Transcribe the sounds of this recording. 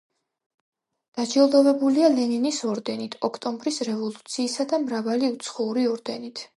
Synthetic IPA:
d̪̥ad͡ʒɛlˠd̪ɔvɛbulialɛninisɔɾd̪ɛnit̪ʰɔkʰt̪ʼɔmbɾisɾɛvɔlˠut̪sʰiːsad̪amɾavaliut̪sʰχɔuɾiɔɾd̪ɛnit̪ʰ

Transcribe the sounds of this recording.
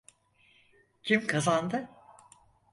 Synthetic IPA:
cʰimkʰazand̪ɯ

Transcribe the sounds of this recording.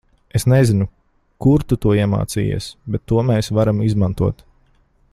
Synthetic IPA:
esnezinu | kuɾt̪ut̪uɔiɛma̰ːt̪sḭːjḭɛsbɛt̪ːuɔmɛːsvaɾamizmant̪uɔt̪

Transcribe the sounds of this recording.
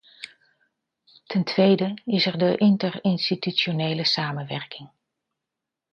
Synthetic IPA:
tʰɛntʰʋejdəɪsɛɹdəʔɪntərɪnstityt͡ʃonejləsaːmənʋɛɹkɪŋ

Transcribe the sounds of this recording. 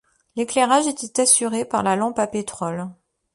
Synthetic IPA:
leklɛʁaʒet̪ɛt̪asyʁepaʁlalɑ̃papet̪χɔl

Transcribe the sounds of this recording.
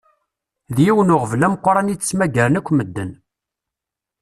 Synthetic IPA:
ðjiwənʊʁəvlæmqːɾˤɑnit͡sːt͡sːmæɡəɾnækʷːməd̪ːən

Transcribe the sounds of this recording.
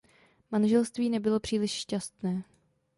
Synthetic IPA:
manʒɛlst̪viːnɛbɪlo̞pr̝̥iːlɪʃʃcast̪nɛː

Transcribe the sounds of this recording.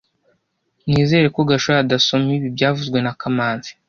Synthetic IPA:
niːze̞ːɾe̞ko̞ɡaʃoadaso̞miβibɟaːvuzɡwe̞nakamaːnzi̥

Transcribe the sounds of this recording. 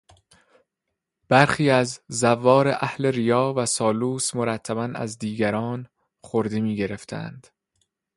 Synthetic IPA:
b̥æɾxiːæzːævːɒːɾeʔæhle̞ɾijɒːvæsɒːluːsmo̞ɾæt̪ʰːæbænæ̰zd̪iːɟæɾɒːn | χoɾd̪emiːɟe̞ɾe̞ft̪ʰæ̰nd̪̥

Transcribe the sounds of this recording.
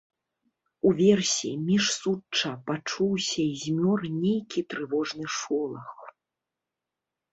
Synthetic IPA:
uvʲɛrsʲimʲiʂsut͡ʂːɐpat͡ʂuwsʲɐizʲmʲɔrnʲejkʲit̪ɾɨvɔʐnɨʂɔlˠɐx

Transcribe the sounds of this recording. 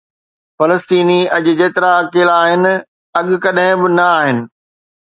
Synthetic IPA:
fɐləst̪iːniɐʄʊd͡ʑeːt̪ɪɾaɐkeːlaːɦɪnɪ̆ | ɐɠʊ̆kɐɗɦɪ̃bɪnɐaːɦɪnɪ̆

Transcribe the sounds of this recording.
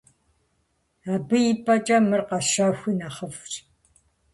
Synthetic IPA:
aːbɨjipʰʼɐt͡ʃʼɐmɨrqɐʃaːxʷinaχɐvt͡ʃʼ

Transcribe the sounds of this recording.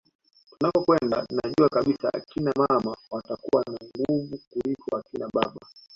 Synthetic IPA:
tunakɔkwɛnda̰nnaʄuakaɓisaa̰kinamamawatakuwanaŋɡuvukulikɔakinaɓaɓa

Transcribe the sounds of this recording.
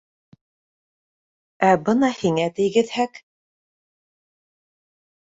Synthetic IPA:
æbɤnɑhiŋæt̪ɘ̆jɡɘ̆ðhæk

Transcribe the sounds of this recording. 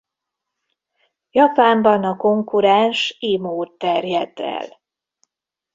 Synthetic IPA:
jɒpaːmbɒnɒko̞ŋkuɾɛnʃimoːt̪ːɛrjɛd̪ɛ̰l

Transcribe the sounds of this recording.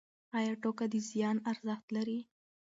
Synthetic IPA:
ɑjɑʈokad̪izijɑnaɾzaxt̪laɾi

